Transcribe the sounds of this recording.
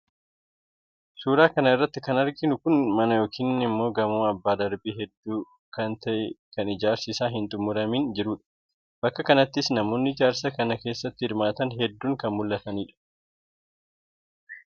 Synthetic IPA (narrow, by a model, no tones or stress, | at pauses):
suːɾaːkɐnɐɪrːɐt̪ːɪkɐnɐɾɡɪnʊkʊnmɐnɐjo̞ːkʰiːnːɪmːo̞ːɡɐmuːɐbːaːd̪ɐɾbiːɦɛd̪ːuː | kɐnt̪ɐʔɛkɐnɪd͡ʒaːɾsɪsaːɦɪnt̪ʼʊmːʊɾɐmiːnd͡ʒɪɾuːᶑɐ̥ | b̥ɐkːɐkɐnɐt̪ːɪsnɐmo̞ːnːɪɪd͡ʒaːɾsɐkɐnɐke̞ːsːɐt̪ːɪhɪɾmaːt̪ɐnɦɛd̪ːuːŋkɐnmʊlːɐt̪ɐniːᶑɐ̥